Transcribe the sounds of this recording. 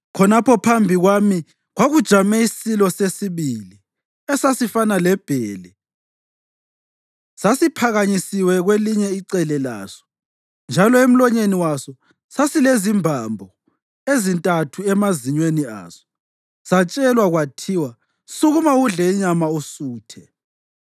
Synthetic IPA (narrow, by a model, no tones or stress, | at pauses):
kʰɔnapʰɔpʰambʱiɣwami | ɣwaɣud̥ʒ̥ʱamɛisilɔsesiβili | ɛsasifanalɛb̥ʱɛːlɛ | sasipʰaɣaɲisiwɛɣweliɲɛiǀɛlɛla̰ːsɔ̥ | nd͡ʒʱalɔem̩lɔɲeniwasɔ | sasilezimbʱambʱɔ | ezintʼatʰuɛmaziɲwenia̰sɔ̥ | sat͡ʃʼɛlwaɣwatʰiwa | suɣumauɮɛɲamaosuːtʰɛ